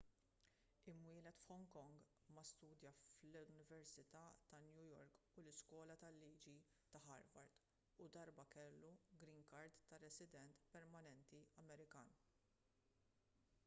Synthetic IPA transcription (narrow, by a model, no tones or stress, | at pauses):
ɪmwɪːlɛt̪fħɔŋkɔŋɡ | mɐst̪uːd̪jɐflɪnɪvɛɾsɪt̪ɐt̪ɐnjujɔɾk | ʊlɪskwɔːlɐt̪ɐlːiːd͡ʒi | t̪ɐħɐɾvɐɾt̪ | ʊd̪ɐɾbɐkɛlːuɡɾinkɐɾt̪t̪ːɐɾɛsɪd̪ɛnt̪pɛɾmɐnɛnt̪iɐmɛɾɪkɐːn